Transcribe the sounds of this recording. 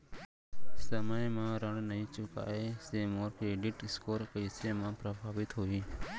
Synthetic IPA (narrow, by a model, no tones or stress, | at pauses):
səməjmãɾəɳnəɦĩt͡ʃʊka̰ːesemoːɾkeːɖɪʈɪskoːɾpəɪsemãpɾəbʱaːʋɪt̪ɦoiː